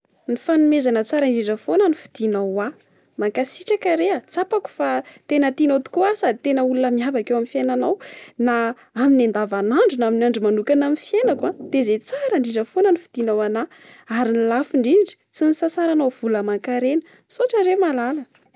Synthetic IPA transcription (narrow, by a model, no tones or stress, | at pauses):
nifanumezanət͡saɾaɳɖ͡ʐiɖ͡ʐəfonənifi̥d̪̥inawa | maŋkasiʈ͡ʂakaɾeat͡sapaku̥fat̪enət̪inat̪u̥kuasad̪it̪enəulunəmiavakewamifjenanawna | aminand̪avanaɳɖ͡ʐunaminaɳɖ͡ʐumanukanaminfienakwad̪̥ezet͡saɾaɳɖ͡ʐiɖ͡ʐəfonənifi̥d̪̥inawana | aɾinilafiɳɖ͡ʐiɳɖ͡ʐi̥t͡sinisasaɾanawv̥uləmaŋkaɾenə | soʈ͡ʂaɾemalalə